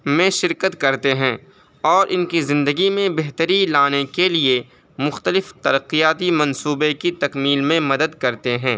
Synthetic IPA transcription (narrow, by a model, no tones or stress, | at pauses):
mẽʃɪɾkət̪kɐɾt̪eɦɛ̃ː | ɔːɾʔɪnkizɪ̃nd̪əɡimẽbeɦt̪əɾilaːnekelie | mʊxt̪əlɪft̪ɐɾəqijaːt̪imɐ̃nsuːbekit̪ɐkmiːlmẽmɐd̪əd̪kɐɾt̪eɦɛ̃ː